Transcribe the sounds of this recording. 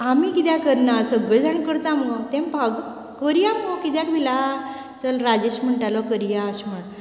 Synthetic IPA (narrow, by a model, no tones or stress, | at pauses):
amikit̪jãkəɾnasəɡʋed͡zaɳkəɾt̪ãmɡɔt̪ɛ̃mbʱaɡ | kəɾijamɡɔkit̪̬jãkbʱila | t͡səlɾad͡ʑeɕm̤əɳʈalɔkəɾijaːɕəɳ